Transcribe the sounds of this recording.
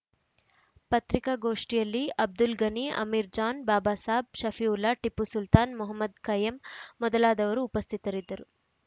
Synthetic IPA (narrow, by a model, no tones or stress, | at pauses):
pɐt̪ɾikɐɡoːʂʈijɐlːiɐb̚d̪ulɡɐniɐ̰miɾd͡ʒaːnbaːbaːsaːb̚ʃɐfiulːɐʈipːusult̪aːnmuɦɐmːɐd̪kɐjɐmːɔd̪ɐlaːd̪ɐʋɐɾuːpɐst̪ʰit̪ɐɾid̪ːɐɾu